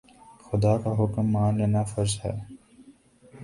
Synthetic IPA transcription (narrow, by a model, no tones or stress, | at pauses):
xʊd̪aːkaɦʊkmːaːnleːnafɐɾzɦɛː